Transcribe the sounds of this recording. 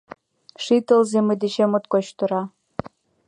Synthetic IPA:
ʂit̪ə̆lzemĕd̪eʃemot̪kot͡ɕt̪ɤ̆ɾɑ

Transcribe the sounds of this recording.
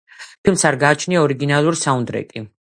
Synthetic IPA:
pʰilˠmsaɾɡaːt͡ʃʰniaɔɾiɡinalˠuɾsaund̪ɾɛ̰kʼi

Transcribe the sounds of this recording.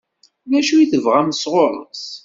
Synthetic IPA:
læʃujθəvʁæməsʁoɾˤə̰t͡s

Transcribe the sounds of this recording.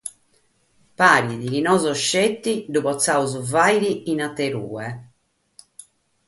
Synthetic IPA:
paːɾiðikinɔzɔʃːet̪ːid̪uβɔt̪sːauzuvajɾiinat̪ːeɾṵːɛ

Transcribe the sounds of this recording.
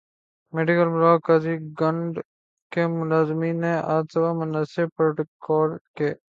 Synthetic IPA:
meːɖɪkəlmɾaːkaːziɡɐɳɖ | kemʊnaːzmiːnẽʔaːdsɐbamʊnasepɾoʈkɔːɾkeː

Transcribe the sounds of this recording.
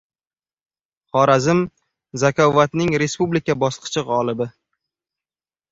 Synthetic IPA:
χɒɾazɪm | zakʰɒvːat̪nɪŋɾe̞spublikʲabɒsqʰɨ̥t͡ʃʰɨʁɒlˠɪbɪ

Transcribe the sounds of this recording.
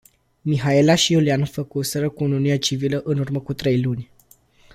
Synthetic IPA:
miɦae̞laʃiulianfəkusəɾəkuuniuniat͡ʃiviləʔɨnurməkut̪ɾe̞jlunʲ

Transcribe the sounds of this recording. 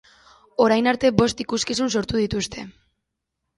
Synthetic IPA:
o̞ɾajnaɾt̪e̞bo̞st̪ikuskis̬unso̞ɾt̪uðit̪ust̪e̞

